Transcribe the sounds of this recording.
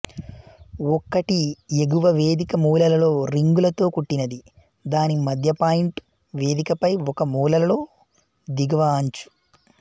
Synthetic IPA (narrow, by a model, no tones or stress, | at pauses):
ɔkːɐʈieɡuʋɐʋeːd̪ikɐmuːlɐlɐlo̞ːɾiŋɡulɐt̪o̞ːkuʈːinɐd̪i | d̪aːnimɐd̪ʱjɐpaːjiɳʈ | ʋe̞ːd̪ikɐpɐjɔkɐmuːlɐlɐlo̞ː | d̪iɡɐʋaːɲt͡ʃu̥